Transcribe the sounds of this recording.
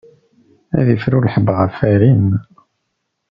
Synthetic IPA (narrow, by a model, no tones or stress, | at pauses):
æ̰ðifɾulħəbʁəfæɾin